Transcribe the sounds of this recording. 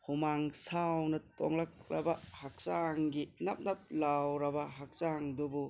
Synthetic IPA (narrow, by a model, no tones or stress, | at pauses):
hʰumaŋsawnɐto̰ŋlak̚ɾɐ̰bɐhak̚saŋɡinɐp̚nɐp̚lawɾɐbɐɦak̚saŋdubu